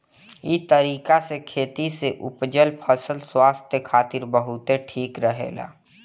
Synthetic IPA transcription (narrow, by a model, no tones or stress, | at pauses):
it̪əɾiːkasekʰeːt̪iseʔʊ̰pd͡ʒəlpʰəsəlswaːst̪ʰjəkʰaːt̪ɪɾbəɦʊt̪eʈʰiːkɾəɦḛːɡa̰ː